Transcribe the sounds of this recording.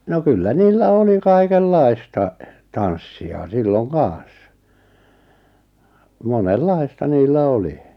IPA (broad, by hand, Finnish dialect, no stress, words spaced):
no kylːæ niːlːæ oli kɑikelːɑi̞stɑ tɑnsːiɑ silːoŋ kɑːɑ̃s monelːɑi̞stɑ niːlːæ oli